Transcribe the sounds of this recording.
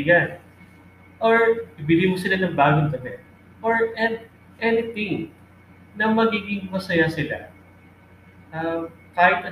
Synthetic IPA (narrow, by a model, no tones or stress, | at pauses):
ɡɐn | ʔoɹɪbɪlimosɪlanɐŋbaːɡont̪onɛ | ʔoɹʔɛnd̪̚ | ʔɛnɪt̪ɪŋ | nɐmɐɡiːɡɪŋmɐsɐjasɪla̰ | ʔɐ | kaːjɪt̪ɐ